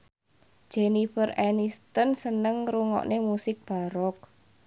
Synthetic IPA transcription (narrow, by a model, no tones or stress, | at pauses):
d̥ʒ̥enifərɛnist̪ənsənəŋɾuŋɔ̰ʔnemusɪk̚b̥a̤ɾɔk̚